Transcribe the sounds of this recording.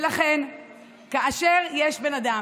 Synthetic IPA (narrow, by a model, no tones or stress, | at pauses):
laχe̞n | kaʔaʃe̞ʁjeʃbe̞nad̪a